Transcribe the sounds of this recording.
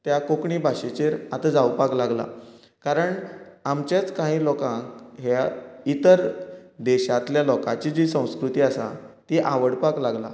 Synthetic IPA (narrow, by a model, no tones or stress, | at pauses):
t̪jakokɳiːbʱaɕet͡ɕeɾat̪ad͡zawpaklaɡla̰ | kaɾəɳamt͡ɕat͡skãɦĩːlɔkãŋkɦjait̪əɾd̪eɕat̪ljalɔkã̰t͡ɕid͡ʑisə̃w̃skɾut̪iːasa̰t̪iʔaʋəɽpaklaɡla̰